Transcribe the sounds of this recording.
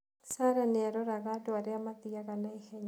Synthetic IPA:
saɾanɪaɾɔɾaɣadɔaɾeamatiaɣanaekɛɲ

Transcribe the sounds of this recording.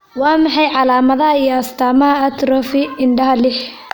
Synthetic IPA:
wɑːmɑħɑjʕɑlaːmɐðɐɦɐijɔɐst̪ʰaːmɐɦɐɐt̪ɾɔfɪɪɳɖɐɦɐlɪħ

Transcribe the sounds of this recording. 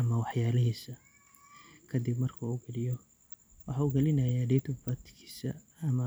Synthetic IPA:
ɐmɐwɑħjaːlɪɦiːsɐ | kʰɐd̪ɪbmɐrkʰɐuɡɐlɪjɔ | wɑħɑːuɡɐlɪnɐjaːɖɛt̪ʰʊbɐt̪kʰi̥ːsɐ̰ːmɐ

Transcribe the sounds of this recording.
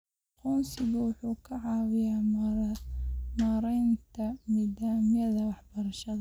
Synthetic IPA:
qɔnsɪbʊwʊħuːkʰɐʕɑːwɪjaː | maːɾɛjnt̪ʰɐmiːd̪aːmɪjɐðɐwɑħb̥ɐɾɐʃɐðɐ

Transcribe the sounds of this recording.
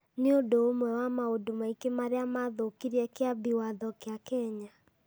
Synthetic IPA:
neodoːmwɛwamaodomaikemaɾeamaðokiɾiɛkeabiwaðɔkjakɛɲa

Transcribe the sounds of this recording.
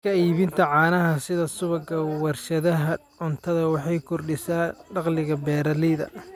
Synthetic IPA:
kʰɐiːβɪnt̪ʰɐʕɑːnɐɦɐsɪðɐsʊβɐɡɐwɐrʃɐðɐɦɐʕʊnt̪ʰɐðɐwɑħɑjkʰɔrɖɪsaːɖɑqlɪɣɐbɛːɾɐlɪðɐ̰

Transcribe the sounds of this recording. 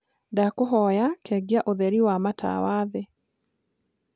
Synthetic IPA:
dakoɦɔjakʰɛɡiaʔoðɛɾiwamatʰa̰waːðe

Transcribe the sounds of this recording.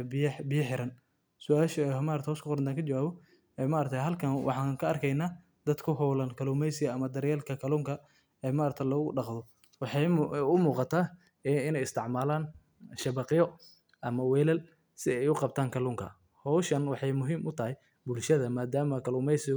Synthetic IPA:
bbɪjɐħɪɾɐn | sʊaːʃɐmaːɾɐkt̪ːhɔwskʊqɔɾɐnt̪aːŋkʰɐd͡ʒɐwaːβɔ | ɛːmaːɾɐk̚t̪ʰɐjɦɐlkʰɐnwʔɑ̰ħɑːŋkʰɐɐrkʰɛjnaː | d̪ɐd̪kʰʊɦɔwlɐnkʰɐluːmɛjsɪɣɐɐmɐd̪ɐɾjɛːlkʰɐkʰɐluːŋkʰɐ | ɛːmaːɾɐk̚t̪ʰɐlɔːɣʊɖɑqðɔ | wɑħɑjʊmuːqɑt̪ʰaː | ɪnɛjɪst̪ʰɪʕmaːlaːn | ʃɐβɑqɪjɔ | ʔɐmɐwɛːlɐl | sɪɛjʊqɑb̚t̪ʰaːŋkʰɐluːŋkʰɐ̰ | hɔwʃɐnwɑħɑjmʊɦiːmʔʊt̪ʰɐhɪj | bʊlʃɐðɐmaːd̪aːmɐkʰɐluːmɛjsɪɣ

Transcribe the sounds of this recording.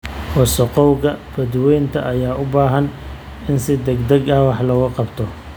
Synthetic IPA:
hɔsɔqɔwɣɐb̥ɐd̪wɛjnt̪ʰɐʔɐjaːʔʊbaːɦɐn | ɪnsɪd̪ɛɡd̪ɐɡɐhwɑħlɔɣɐqɑbt̪ʰɔ

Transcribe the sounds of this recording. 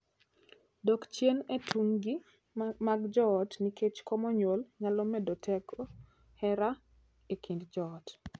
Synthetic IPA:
dɔkt͡ʃjenetʰuŋɡi | maɡd͡ʒɔtniket͡ʃkɔmɔɲolɲalɔmɛdɔtʰɛkʰɔ | hɛɾa | ekindd͡ʒɔt

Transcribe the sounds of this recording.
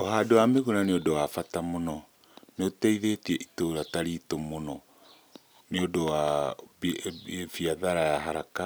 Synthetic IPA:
oɦaːdowameɣunaneodowafatamonɔ | neotɛiðetiɛʔitoɾataɾitomonɔ | neodowa | efiaðaɾajaɦaɾaka

